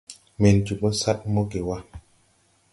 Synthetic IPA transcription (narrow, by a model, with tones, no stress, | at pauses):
me˨nd͡ʒu˨bo˦sa˦t̚mo˦ɡe˨wa˦